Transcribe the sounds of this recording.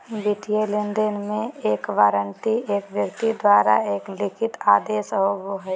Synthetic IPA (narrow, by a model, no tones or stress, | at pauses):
bɪʈ̪ijelɪnd̪ənmẽeːkʋaːɾənt̪ieːkʋjəkt̪id̪waːɾa̰eːklɪkʰɪt̪aːd̪eːʃɔʋoɦɛ